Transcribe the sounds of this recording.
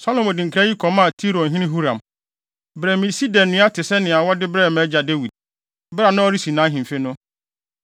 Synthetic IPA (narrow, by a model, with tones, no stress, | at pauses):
sɔ˦lɔ̃˨mɔ˨dɪ̃˨ŋ̩˨kʰɾa˦ji˦kʰɔ˨mã˦˨tʰi˦ɾõ˨n̩˨ɦɪ̃˦nɪ̃˦ɦu˦ɾã˨m | bɾɛː˨mĩ˨si˦dɛ̃˨nː˨ɪ̃˦a˦tʰɪ˨sɛ˦nɪ̃˨a˨wɔ˦dɪ˦bɾɛ˦˨mɛ˦d͡ʑa˨de˦wi˨d̥̚ | bɾa˨nã˦ɔ˦ɾi˦si˨nãː˨˦ɦĩ˨m̩˨fe˦nʊ̃˦